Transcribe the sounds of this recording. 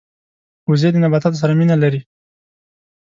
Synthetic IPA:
ʊzed̪ənabat̪at̪os̬aɾaminalaɾi

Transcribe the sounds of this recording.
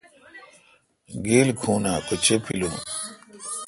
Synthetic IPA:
ɡeːlkʰuːnaːkot͡ɕepʰilũː

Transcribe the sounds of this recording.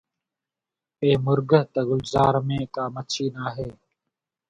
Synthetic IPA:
eːmʊɾɡəɦt̪əɡʊlzaːɾmẽːkaːmət͡ʃʰiːnaːɦeː

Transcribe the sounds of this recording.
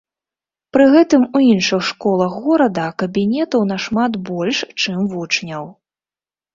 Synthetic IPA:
pɾɨɣɛt̪ɨmuinʂɨxʂkɔlˠɐxɣɔɾɐd̪ɐkɐbʲinʲɛt̪ɐwnɐʂmat̪bɔlʲʂt͡ʂɨmvut͡ʂnʲɐw

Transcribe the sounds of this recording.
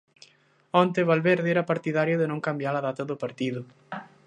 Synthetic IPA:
ɔnt̪eβalβeɾðeɛɾapaɾt̪iðaɾjoðenõŋkambjalaðat̪aðopaɾt̪iðʊ

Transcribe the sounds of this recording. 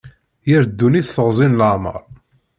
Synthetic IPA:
jəɾd̪ːuniθθəʁzˤinləʕmə̰ɾˤ

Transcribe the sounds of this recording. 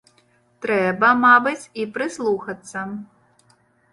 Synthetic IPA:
t̪ɾɛbɐmabɨt͡sʲipɾɨslˠuxɐt̪sːɐ

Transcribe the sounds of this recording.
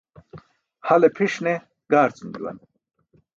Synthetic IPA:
hɐlepʰiʂne | ɡ̥aːɾt͡sumd͡ʑṵwɐ̰n

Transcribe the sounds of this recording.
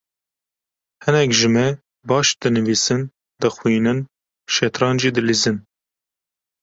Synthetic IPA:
hɨnɛkʒɨmɛ | bɑːʃd̪ɨnɨviːsɨn | d̪ɨxwiːnɨn | ʃɛt̪ɾɑːnʒiːd̪ɨlizɨn

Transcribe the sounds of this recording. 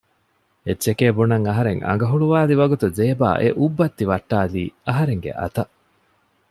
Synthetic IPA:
etːʃekeːbunɐŋɐɦɐɾeŋɐ̰ŋ̆ɡɐɦuɭuʋaːliʋɐɡut̪uzeːba̰ːʔeʔubːɐt̪ːiʋɐʈːaːliːɐɦɐɾeŋɡḛʔɐ̰t̪ɐ

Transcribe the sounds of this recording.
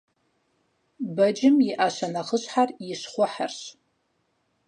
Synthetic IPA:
bɐd͡ʒɪmjɪʔaʃanaχəɕħarjɪʃχʷʊħarɕ

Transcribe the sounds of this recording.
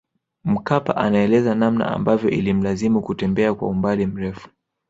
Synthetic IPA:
m̩kapa̰ʔanaɛlɛzanamna̰ʔa̰mbavjɔʔilim̩lazimukutɛmbɛakwa̰umbalim̩ɾɛfu̥

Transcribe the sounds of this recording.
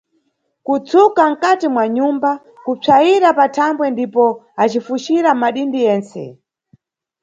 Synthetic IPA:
kut͡sʰukam̩katimwaɲumba | kup͡ʂʰajiɾapatʰambwɛndipɔat͡ʃifuʃiɾamaɗindijɛːnt͡sɛ̰

